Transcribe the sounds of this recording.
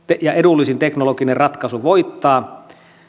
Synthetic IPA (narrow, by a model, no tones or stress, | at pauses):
t̪ejɑedulːisint̪eknolokinerrɑt̪kɑsuʋoit̪ːɑː